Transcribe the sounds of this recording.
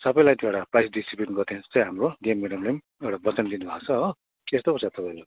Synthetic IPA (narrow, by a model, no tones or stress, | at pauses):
sʌbʌj̃lajt̪eɽaprajsɖisiplinɡʌrt̪ʰent͡sʌ̃j̃ɦamroɡemːeɽʌmlem | ewɽabʌt͡sʌnd̪inubʱat͡sʰʌʌ | est̪opʌsat̪ʌpajla